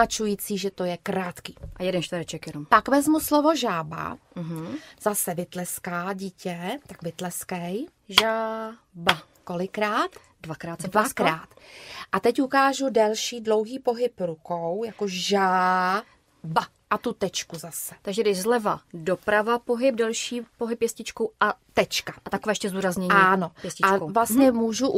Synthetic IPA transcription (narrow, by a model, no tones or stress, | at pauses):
at͡ʃujiːt͡siːʒɛt̪o̞jɛkɾaːt̪kiːʔajɛdɛnʃt̪vəɾɛt͡ʃɛkjɛnompakvɛzmuslovo̞ʒaːba̰m̩ɦ̩z̥asɛvɪt̪lɛskaːɟiːcɛt̪akvɪt̪lɛskɛj | ʒaː | ba | ko̞lɪkɾaːt̪ | dvakɾaːtvakɾaːt̪ʔat̪ɛcukaːʒudɛlʃiːdlo̞wɦiːpo̞ɦɪpɾukowjakoʒaː | ba | ʔat̪ut̪ɛt͡ʃkuzasɛ̥t̪aɡʒɛdɪʒzlɛvado̞pɾavapo̞ɦɪp̚dɛlʃiːpoɦɪpːjɛscɪt͡ʃkowʔat̪ɛt͡ʃkaʔat̪akovɛːɛʃcɛzd̪uːɾazɲɛɲiaːnopjɛscɪat͡ʃkowvlast̪ɲɛmuːʒuʔ